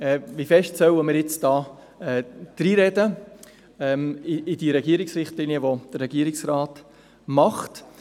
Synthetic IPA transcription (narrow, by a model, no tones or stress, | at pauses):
ɛːʋifɛʃtsœwəmɪːɾjɪt͡sd̥ɑː | ɛːd̪̥ɾiːɾɛdə | ɛmɪɪd̥iɾɛɡiːəɾɪksrɪχtliniəʋod̥ərɾɛɡ̥iəɾɪksrɑːt | mɑχt